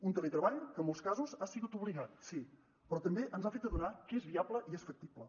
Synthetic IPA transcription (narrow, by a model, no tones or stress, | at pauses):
unt̪əlet̪ɾəβaʎkəmːolˠskazuzasiɣut̪uβliɣat̪si | pɾɔt̪əmbeʔənzafet̪d̪əðunakəezβiabləʔiesfək̚t̪iblə